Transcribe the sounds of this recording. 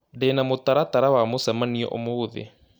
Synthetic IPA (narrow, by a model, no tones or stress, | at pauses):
denamotaɾataɾawamosamaniɔ̰ʔo̰mouðḛ